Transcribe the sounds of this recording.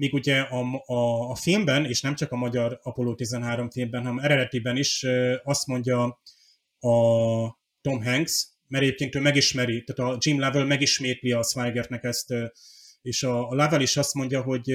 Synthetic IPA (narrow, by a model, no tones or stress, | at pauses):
miːɡuɟɛɒː | filmbɛneːʃnɛmt͡ʃɒkɒmɒɟɒɾɒpoloːt̪izɛnɦaːɾo̞ɱfilmbɛnɦɒnɛmɛɾɛd̪ɛt̪ibɛniʃøɒst̪mo̞ɲɟɒ | ɒ | t̪o̞mɦɛŋɡs | mɛɾɛɟeːpkeːnt̪øːmɛɡiʃmɛɾit̪aːt̪ɒd͡ʒimlavɛlmɛɡiʃmeːt̪liɒsvajɡɛrt̪nɛkɛst̪ | eːʃɒlavɛliʃɒst̪mo̞ɲɟɒɦo̞ɟ